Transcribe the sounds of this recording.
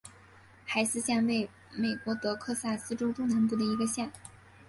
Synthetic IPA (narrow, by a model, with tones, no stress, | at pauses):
xa˧˥ɪsɹ̩˥˧ɕjɛ˥˧nwe˥˩ɪ | me˨˩ɪkwɔ˧˥t̪ɤ˧˥kʰɤ˥˧sa˥˩sɹ̩˥ʈ͡ʂo˥ʊt̪o˥ʊna˧˥np̬u˥˩d̪ə˩i˧˥ɡə˧ɕjɛ˥˩n